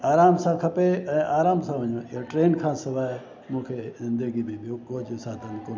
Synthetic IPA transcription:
aːɾaːmsãːkʰɐpeɛ̃ːʔaːɾaːmsãʋɐɲõɪɦoʈɾeːnkʰãːsɐʋaː | mũːkʰeːzɪ̃nd̪əɡibĩbijokoːd͡ʒsaːd̪ɐnkoː

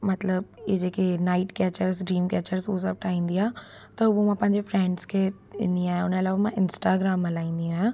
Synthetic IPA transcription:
mɐt̪ləb̚ed͡ʑeːkenaːɪʈkɛːt͡ɕəɾsɖɾiːmkɛːt͡ɕəɾsos̬ɐb̚ʈʰaːĩːn̆d̪iɦaː | t̪ɐʊbomãpɐ̃ɦɪ̃ɲd͡ʑefɾɛ̃ːɳɖskʰe | ɪ̰̃nd̪ĩaːɦjãʊneɐlaːʋamãɪnsʈaːɡɾaːmɐlaːĩːnd̪ij̃aːjã

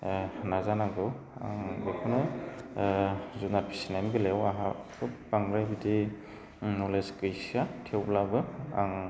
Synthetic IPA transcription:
nazanaɡɯw | a̰ŋbekʰɔnɯ | zunaɾpʰi̥sinanɡɯlewaɦakʰɯpaŋɾajbidi | nɔleskɯjsiatʰewlabɯa̰ŋ

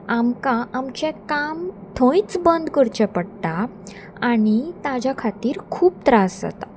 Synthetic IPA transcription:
amkaːmt͡ɕɛ̃kamt̪ʰõit͡sbənd̪kəɾt͡ɕɛ̃pəɽt̪a | aɽ̃it̪ad͡ʑjakʰat̪iːɾkʰuːp̚t̪ɾasa̰t̪a

